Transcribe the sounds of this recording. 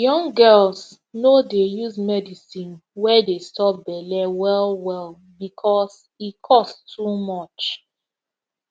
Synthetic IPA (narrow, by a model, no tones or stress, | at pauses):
jɔ̃ŋɡɛls | nodejuzmɛdisĩnwɛdestɔp̚bɛlɛwɛlˠwɛlˠ | bikʰɔs | ikʰɔsttumɔt͡ʃ